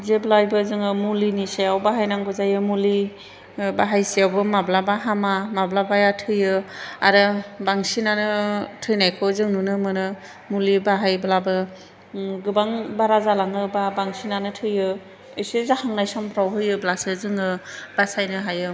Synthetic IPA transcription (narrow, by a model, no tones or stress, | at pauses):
zeblajbɯzɯŋɯmuliniseawbaɦajnaŋɡɔzajɯmuli | baɦajsiawbɯmablabaɦamamablabajatʰɯjɯa̰ɾɯbaŋsinanɯtʰɯjnajkʰɔzɯŋnunɯmɯnɯ | mulibaɦajblabɯ | ɡɯbaŋbaɾazalaŋɯbabaŋsinanɯtʰɯjɯ | ɯjsezahaŋnajsampʰɾawɦɯjɯblasɯzɯŋɯb̥asajnɯɦajɯ